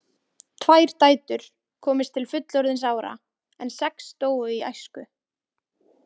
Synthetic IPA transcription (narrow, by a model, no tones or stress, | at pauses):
t̪ʰvaːjɾ̥t̪aːjt̪ʏɾ̥ | kʰɔːmɪst̪ʰɪlfʏt̪lɔɾðɪns̬aːwɾa̰ | ɛnsɛkst̪oːwʏia̰jskʏ